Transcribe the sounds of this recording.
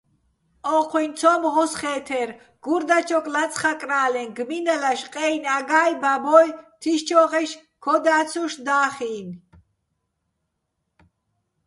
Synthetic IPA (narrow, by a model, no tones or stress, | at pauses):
ɔqʰwint̪sʰɔmʁɔsχɛːt̪ʰɛɾ | ɡ̥uɾd̪at͡ʃʰɔkʼlat̪t͡sʰʼχakʼɾaːlɛnɡminɛlaʃqʼɛjnaɡaːjbabɔjt̪ʰiʃt͡ʃʰɔʁɛʃ | kʰɔd̪aːsʰuʃd̪aːχiːn